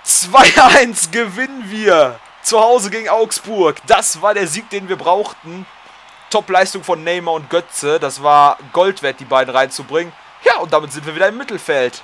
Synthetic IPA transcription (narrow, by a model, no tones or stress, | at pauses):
t͡sv̥aɪʔaɪnsɡ̥əvɪnənviːɐ | t͡suhaʊzəɡeːɡŋ̩ʔaʊksb̥ʊɐkd̥asv̥aːɐɾeːɐziːk̚d̥eːnviːɐbʁaʊxtn̩ | tʰɔplaɪstʊŋfɔnːɛɪmɐʊnt̚ɡ̥œt͡səd̥asv̥aːɐɡ̥ɔltv̥ɛɐt̚d̥iːbaɪdn̩ʁaɪnt͡subʁɪŋən | jaːʊntd̥aːmɪtz̥ɪntv̥iɐviːdɐɪmːɪtl̩fɛlt